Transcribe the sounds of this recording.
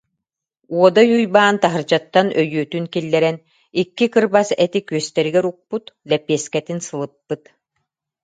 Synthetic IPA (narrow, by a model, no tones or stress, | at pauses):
uɔd̪ajujbaːnt̪aɦɯɾd͡ʑat̪ːanʔœjyːt̪ynkilːɛɾɛn | ikːikɯɾbasɛt̪ikyœst̪ɛɾiɡɛɾuk̚put̪lɛpiɛskɛt̪insɯlˠɯpːɯt̪